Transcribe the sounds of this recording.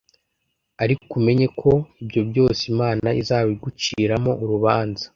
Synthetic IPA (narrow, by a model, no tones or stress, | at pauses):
aɾikume̞ɲe̞kʰo̞ibjo̞bjo̞ːsimaːnaizaːβiɡut͡ʃiːɾamo̞ʔuɾuβaːnzḁ